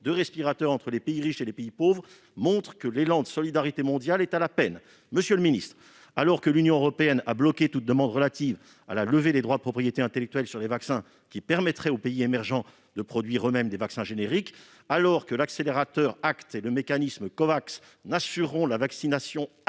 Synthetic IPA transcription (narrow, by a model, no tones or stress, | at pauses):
d̪øʁɛspiʁat̪œʁɑ̃t̪χəlepeiʁiʃelepeipovʁ | mɔ̃t̪χkəlelɑ̃d̪əsɔlid̪aʁit̪emɔ̃d̪jalɛt̪alapɛn | məsjøləminist̪χ | alɔʁkəlynjɔ̃øʁɔpeɛna̰blɔkʲet̪ut̪̚d̪əmɑ̃d̪ʁəlat̪iv | a̰laləved̪ed̪ʁwad̪əpχɔpχijet̪eɛ̃t̪elɛk̚t̪ɥɛlsyʁlevaksɛ̃ | kʲipɛʁmɛt̪χɛopeiemɛʁʒɑ̃ | d̪əpχɔd̪ɥiʁømɛmd̪evaksɛ̃ʒeneʁik | alɔʁkəlakseleʁat̪œʁakt̪eləmekanisməkɔvaks | nasyʁːɔ̃lavaksinasjɔ̃